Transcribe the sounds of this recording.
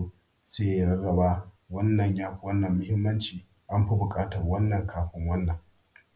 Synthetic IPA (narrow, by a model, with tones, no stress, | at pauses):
seː˦ja˨ɽɐ˦rɐ˨baː˦ | wɐ˦nːɐ˨ɲjaː˦ɸʷwɐ˦nːɐ˨mːʊ˦hɪ˦mːɐ˦nt͡ʃiː˨ | ʔa˦mɸɐ˦bʊ˨kʼaː˦tɐ˨rwɐ˦nːɐ˨ŋkʰaː˨ɸɪ˦ŋwɐ˦nːɐ˨ŋ